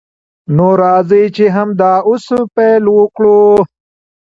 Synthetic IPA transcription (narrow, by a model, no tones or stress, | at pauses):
noːɾaːzijt͡ʃeɦɐmd̪aːʊspeːlwokɭo